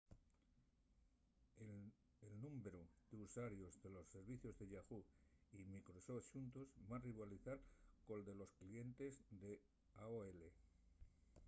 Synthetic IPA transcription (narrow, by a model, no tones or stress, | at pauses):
elnũmbeɾud̪̥euswaɾjo̞zðe̞lo̞sːe̞ɾβiθjo̞zðe̞ʎaɣuimikɾo̞sofʃunt̪ozbariβaliθaɾko̞ld̪e̞lo̞sklie̞nt̪e̞zðe̞ | aoele